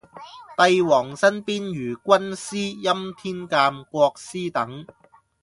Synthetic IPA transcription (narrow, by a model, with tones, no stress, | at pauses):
t̪ɐ˧jwɔː˨˩ŋsɐ˥npiː˥njyː˨˩kʷwɐ˥nsiː˥jɐ˥mt̪ʰiː˥nkaː˧mkʷwɔː˧k̚siː˥t̪ɐ˨˥ŋ